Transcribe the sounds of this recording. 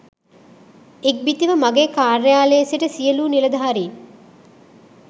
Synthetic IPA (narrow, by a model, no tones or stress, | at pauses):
ek̚bit̪iʋəmaɡeːkaːɾejaːlesiʈəsijəluːnilɐd̪aɦaɾiː